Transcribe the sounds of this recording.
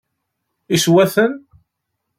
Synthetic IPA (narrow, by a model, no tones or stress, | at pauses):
iswæθən